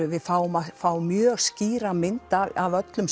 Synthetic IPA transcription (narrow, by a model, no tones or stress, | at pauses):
ʏvɪðfaːwʏmafaːwmjœːɣsciːɾamɪnt̪aavœt̪lʏms